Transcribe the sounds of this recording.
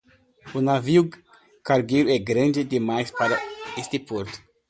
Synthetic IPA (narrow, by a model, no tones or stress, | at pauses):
unaviu | kaɾɡejɾʊɛɡɾãnd͡ʒɪd̪ɪmajspaɾɐest̪ɪpoɾt̪ʊ̥